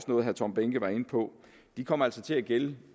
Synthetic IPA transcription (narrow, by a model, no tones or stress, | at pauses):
snɔ̽ːð̩ɦæt͡sʰɒ̽mb̥eŋɡ̥əʋɑ̈e̝npʰɒ̽ | d̥ikʰɒ̽m̰æl̰sɒt͡sʰe̝æɡ̥el